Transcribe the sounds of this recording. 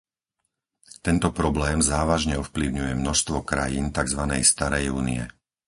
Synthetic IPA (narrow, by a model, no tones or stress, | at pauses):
t̪ɛnt̪ɔpɾɔblɛːmzaːʋaʒɲɛɔfpliʊɲujɛmnɔʃst̪ʋɔkɾajiːnt̪aɡzʋanɛ̰jst̪aɾɛjuːnḭɛ̰